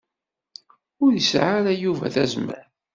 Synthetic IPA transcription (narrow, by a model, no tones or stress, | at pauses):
ʊɾjəsʕaɾæjuvæ̰θæzmæ̰ɾ